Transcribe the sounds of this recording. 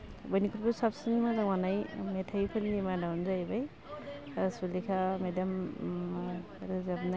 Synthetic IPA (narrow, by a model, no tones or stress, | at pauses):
bajnikʰuɾbɯsapsinmɯɾaŋwanajmetʰajpʰɯnːimadawnzajbaj | sulikʰamedam | ɾɯzabna